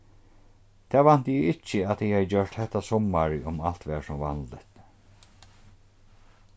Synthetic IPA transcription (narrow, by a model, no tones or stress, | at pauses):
t̪ʰɛːvan̥t̪jɪɪt͡ʃːəat̪hɛjhajd͡ʑœʂt̪hɛt̪ːasɔmːaɹʊmalt̪ʋɛːsʊmva̰nt̪ɪt̪